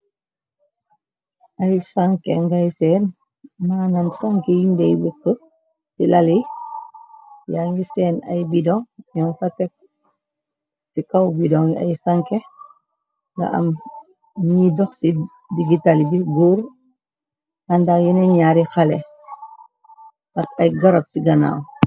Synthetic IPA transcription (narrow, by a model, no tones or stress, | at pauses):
ʔɐjsaŋkɛŋɡajsɛːn | maːnɐmsaŋkɛjindɛjwikːə | silɐli | jaŋɡisɛːnɐ̰jbidɔŋjɔŋfɐtɛk̚ | sikɐwbidɔŋɐ̰jsaŋkɛ | ŋɡɐ̰ʔɐ̰m | nidɔxsi | diɡitalbiɡuɾ | ɐndajɛnɛɲaːɾixɐlɛ | ɐkɐjɡɐɾɐpsiɡɐna̰ːw